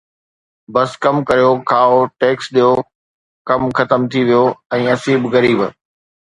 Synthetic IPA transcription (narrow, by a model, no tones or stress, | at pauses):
bɐskɐmkɐɾijokʰaːoʈeːksɗ̪ijo | kɐmxɐt̪əmt̪ʰiʋijoɛ̃ːɐsiːbɣɐɾiːb